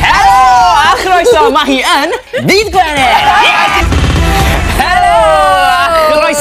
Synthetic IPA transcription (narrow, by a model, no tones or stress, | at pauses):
hɛɾoaχɾɔjsɔmaɦiːən | viːdɡlɛnɛ | hɛɾo | aχɾɔjs